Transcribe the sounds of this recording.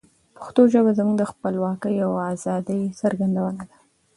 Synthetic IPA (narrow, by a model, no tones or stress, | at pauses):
pḁxt̪oʒəbazəmuɡd̪əxpəlwɑkəjawazɑd̪əjsaɾɡand̪awənad̪ḁ